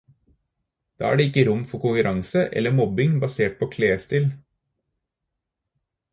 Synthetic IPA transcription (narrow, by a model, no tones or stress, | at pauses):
d̪̥ɑ̰ːæ̰ːɖeːɪkːəɾʊmfɔɾkʊŋkʉɾʔɑŋsəʔɛ̰lːəmɔbɪŋbɑseːʈ̚pʰoːkʰleːst̪ɪl